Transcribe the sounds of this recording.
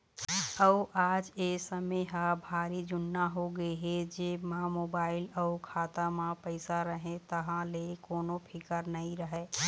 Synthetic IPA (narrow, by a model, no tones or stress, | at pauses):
əʊʔad͡ʒesəmeɦabʱaːɾid͡ʒʊnːaɦoɡəeɦed͡ʒemãmoːbaːɪləukʰat̪amãpəɪsaɾəɦẽt̪əɦãlekoːnopʰɪkəɾnəĩɾəɦɛ